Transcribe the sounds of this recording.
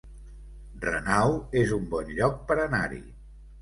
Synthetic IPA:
rə̰nawezumbɔnʎɔk̚pəɾəna̰ɾḭ

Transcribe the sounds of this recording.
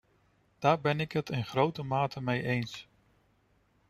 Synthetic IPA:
d̥aːɹbɛnɪkɦətɪnχrowtəmaːtʰəmejʔejns

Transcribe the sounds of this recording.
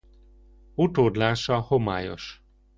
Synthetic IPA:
ut̪oːd̪laːʃɒhoma̰ːjo̞̰ʃ

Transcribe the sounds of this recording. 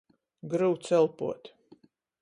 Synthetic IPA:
ɡɾɨwt̪sɛlˠpṵɔt̪ʲ

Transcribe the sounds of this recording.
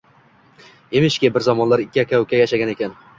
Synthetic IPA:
emɪʃkʲebɪɾzɒmɒnlaɾɪkʲːɪakʲʰawkʲajaʃaɡʲane̞kʲan

